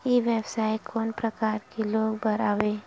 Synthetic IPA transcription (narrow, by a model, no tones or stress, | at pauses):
jeʋjɛbsaːjkʰɔːnpɾəkaːɾkeloːɡbəɾaːʋeː